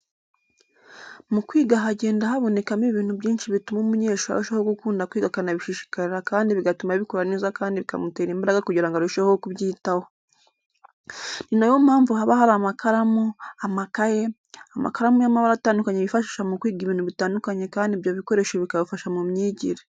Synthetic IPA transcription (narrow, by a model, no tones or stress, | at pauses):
mukwiːɡaɦaɟe̞ːndaɦaβo̞ne̞kamiβiːn̥huβɟiːnʃiβitumomuɲe̞ːʃoa̰ɾuʃahoɡukuːndakwiːɡakanaβiʃiʃi̥kaɾiɾakaːndiβiɡatumaβikoɾaneːzakaːndiβika̰muteːɾiːmbaɾaɡakuɟiɾaŋɡaɾuʃehookuβɟiːtaho | ninajomhaːɱvuhaβahaɾamakaɾamuamakaje | ama̰kaɾamujamaβaɾataːndukaɲeβifaʃiːʃamukwiːɡiβiːnhuβitaːndukaɲe̞kaːndiβjaβiko̞ɾe̞ʃeβikaβafaʃamumɲiːɟiɾe